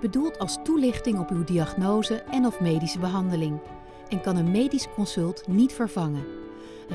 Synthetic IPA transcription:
b̥ədulˠtʰɑlˠstulɪχtɪŋɔpywdiɑχnowzəɛnɔfmejdisəbəɦɑndəlɪŋ | ʔɛnkɑnənmejdisə̥kɔnsɵlˠtnitfəɹv̥ɑŋən

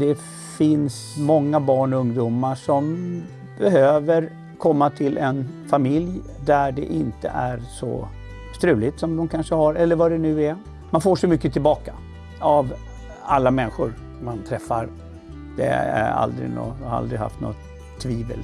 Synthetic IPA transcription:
d̪ɛ | fɪns | mɔŋːabɑːɳɔɵŋd̪uːmaʂɔm | bɛɦøːvəɾ | kʰɔmːat̪ʰɪlʔɛnfamɪlj | d̪æɖɛ̰ʔɪnt̪ə̰ʔæɾsɔ̰ | st̪ɾʉ̟ːlɪt̪sɔmd̪ɔmkʰanʂəhaɾɛlːəɾvad̪ɛnʉ̟ːɛ | manfoːʂɔmʏkːət̪ʰɪlbɑːka | av | alːamɛnːɪɧʊ̰ɾ | mant̪ʰɾɛfːaɾ | d̪̥ɛ̰æ̰a̰ld̪ɾɪ̰nɔ̰haɾa̰ld̪ɾɪɦa̰ft̪nɔ̰ | t̪ʰːviːvə̰l

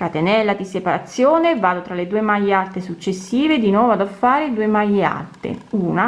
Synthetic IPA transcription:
kat̪enɛlːad̪isepaɾat̪sːjoːnevaːd̪ot̪ɾaled̪uːemajːealt̪esut͡ʃːesːiːved̪inwɔːvoad̪afːaːɾed̪uːemajːea̰lt̪ḛuːna

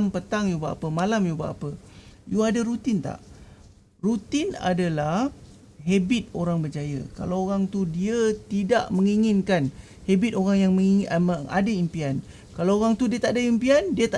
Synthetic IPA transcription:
mpət̪aŋjubaʔa̰pəmalamjuba̰ʔa̰pəjuadaɾut̪ɪnt̪a̰ʔ | rut̪ɪna̰dalah | ɦebɪt̪̚oɾaŋbərd͡ʒajə̰ka̰lawoɾaŋt̪udiət̪ida̰ʔməŋiŋɪnkan | hebɪt̪oɾaŋjaŋməŋiəŋa̰daimpian | kalawoɣaŋt̪udiət̪aʔadaimpiandiət̪a

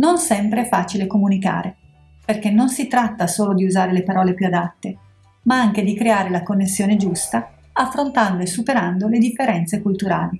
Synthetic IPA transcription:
nonsɛmpɾeɛfaːt͡ʃilekomunika̰ːɾe | perkenːonsit̪ɾat̪ːasoːlod̪iuzaːɾelepaɾɔːlepjuad̪at̪ːe | maaŋk̟ed̪ikɾeaːɾelakonːesːjoːned͡ʒust̪a | afːɾont̪and̪oesːupeɾand̪oled̪ifːeɾɛnt̪sekult̪uɾa̰ːli

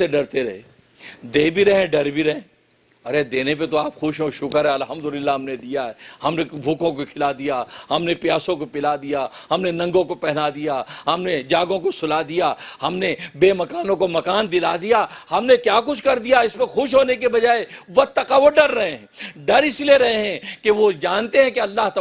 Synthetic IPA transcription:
eɖɐɾt̪eɾɐɦeː | d̪eːbʱiɾɐɦẽɖɐɾbʱiɾɐɦẽː | ɐɾed̪eːnep̬et̪oaːpxʊʃɦõʃʊkəɾɦɛɐlɦɐ̃md̪ʊlɪlːaɦɐmned̪ijaɦɛhɐmnebʱuːkõkokʰɪlad̪ijahɐmnepjaːsõkopɪlad̪ijaɦɐmnenɐ̃ŋɡõkopɛɦnad̪ijaɦɐmned͡ʒaːɡõkosʊlad̪ijahɐmnebeːmɐkaːnõkomɐkaːnd̪ɪlad̪ijahɐmnekjaːk̬ʊt͡ʃʰkɐɾd̪ijaɪsmexʊʃɦoːnekebɐd͡ʒaːeʋɐt̪ːɐqaʋoɖɐɾːɐɦẽɦɛ̃ɖɐɾɪsilieɾɐɦẽɦɛ̃keʋod͡ʒaːnt̪eɦɛ̃keɐlːaːɦt̪ɐ

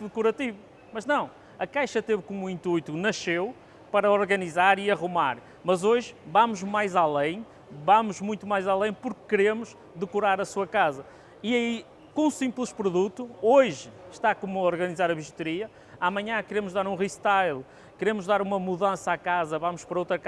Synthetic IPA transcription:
ðɨkuɾɐt̪ivu | mɐʒnɐ̃w̃ | ɐkajʃɐt̪evkomuĩnt̪ujt̪unɐʃew | pɐɾɐɔɾɣɐnizaɾiɐʁumaɾ | mɐzoʒvamuʒmajzalˠẽj̃ | vamuʒmũj̃t̪umajzalˠẽj̃puɾkːɨɾemuʃ | ðɨkuɾaɾɐsuɐkazɐ | iɐi | kõsĩmplˠɨʃpɾuðut̪uoʒʃt̪akomuɔɾɣɐnizaɾɐβiʒut̪ɨɾiɐ | amɐɲɐ̃kɨɾemʊʒðaɾũʁiʃt̪ajlˠ | kɨɾemʊʒðaɾumɐmuðɐ̃sɐakazɐvamʊʃpɐɾɐowt̪ɾɐk

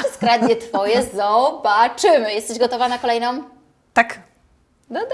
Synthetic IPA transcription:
skɾad̪dʲjɛt̪fɔjɛzɔbat͡ʂɘmɘjɛst̪ɛʑɡɔt̪ɔvanakɔlɛjnɔm | t̪ak | d̪ɔd̪

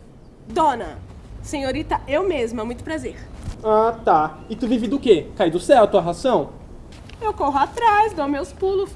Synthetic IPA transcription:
d̪õnɐ̰sẽɲoɾit̪ɐewmezmʊamũj̃t̪ʊ̥pɾazeɾat̪aɪt̪uvivɪd̪ʊkekajd̪ʊsɛwɐt̪uɐɦasɐ̃w̃ | ewkoɦʊat̪ɾazd̪õw̃mewspulʊ

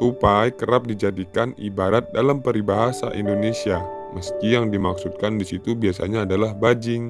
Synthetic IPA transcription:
tupajkəɾap̚did͡ʒadikanḭbaɾat̪̚dalampəɾibaɦasa̰ʔḭndonesia | məskijaŋdimaksut̪̚kandisit̪ubiasa̰ɲaːdalahbad͡ʒɪŋ

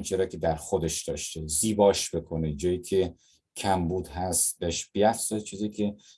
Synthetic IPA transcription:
nt͡ʃʰeɾɒːkʲʰe̞d̪æɾxod̪eʃd̪̥ɒːʃt̪eziːbɒːʃb̥e̞kʰoned͡ʒɒːjiːkʰe̞ | kʰæmbuːd̪ɦæst̪beʃb̥iæfz̥ɒjt͡ʃʰiːziːcʲʰe

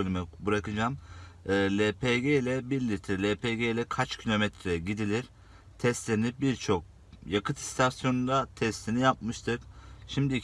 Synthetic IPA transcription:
ølʲymybɯɾakɯd͡ʒaːmɯːlʲepʰeɟejlʲɛbiɾlʲiɾt̪ʰilʲepʰeɟejlʲɛkʰat͡ʃcʰilʲo̞mɛt̪ʰɾɛɟid̪ilʲiɾ̥ | t̪ʰɛst̪lʲeɾinibiɾt͡ʃʰo̞k̚ | jakʰɯt̪ʰi̥st̪ʰasjonund̪at̪ʰɛst̪ʰinijap̚mɯʃt̪ʰɯkʃimd̪i

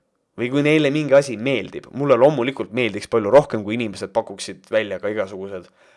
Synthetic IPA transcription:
vɤjkujne̞jlemiŋɡ̥ɑsʲime̞ːld̪̥ib̥mulːelo̞ːmːulikˑult̪̚me̞ːld̪ikspɑlʲjuɾo̞hke̞mkujinime̞se̞d̪̥̚pɑkːˑuksid̪̥vælʲːjɑɡ̥ɑiɡ̥ɑsuɡ̥use̞d̪̥

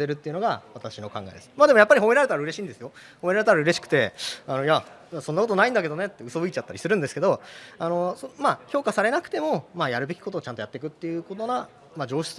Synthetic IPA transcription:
e̞ɾɯ̟t̪ːe̞iɯ̟no̞ɡaβat̪aɕino̞kãŋɡa̰ed̪esɨ̥maːd̪emo̞japːaɾʲihomeɾaɾe̞t̪aɾaɯ̟ɾe̞ɕĩːnd̪e̞sɨjo̞homeɾaɾet̪aɾaɯ̟ɾe̞ɕi̥kɯ̟̥t̪e̞ano̞ja | asonːako̞t̪o̞naĩnd̪ak̬e̞d̪o̞ne̞t̪ːe̞ɯ̟so̞bɯ̟it͡ɕat̪ːaɾʲisɨɾɯ̟nd̪eske̞d̪o̞ano̞somaço̞ːkasaɾe̞nakɯ̥t̪e̞mo̞majaɾɯ̟be̞kʲi̥ko̞t̪oːt͡ɕãnt̪ojat̪ːe̞kɯ̟t̪ːe̞jɯ̟ko̞t̪o̞na | mad͡ʑo̞ːɕi̥t͡s

